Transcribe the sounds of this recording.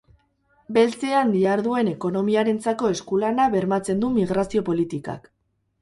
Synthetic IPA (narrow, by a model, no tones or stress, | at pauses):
be̞lt͡se̞and̪iaɾðue̞ne̞ko̞no̞miaɾe̞nt͡sako̞e̞skulanaβe̞ɾmat͡se̞nd̪umiɣɾasio̞po̞lit̪ika̰k